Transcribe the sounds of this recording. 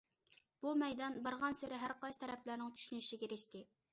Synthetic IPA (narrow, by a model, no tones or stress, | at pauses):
b̥umɛjd̪ɑnbəɾʁɑnsɪɾɪɦæɾqɑjst̪ʰɛɾɛplæɾnɪŋt͡ʃʰy̥ʃynyʃiɡʲeɾɪʃt̪ɪ